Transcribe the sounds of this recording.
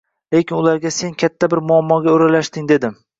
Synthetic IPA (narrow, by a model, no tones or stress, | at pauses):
le̞kʲɪnʊlaɾɡʲase̞nkʲʰat̪ʰːabɪɾmʊamːɒɡʲaoɾalaʃd̪ɪŋd̪e̞d̪ɪm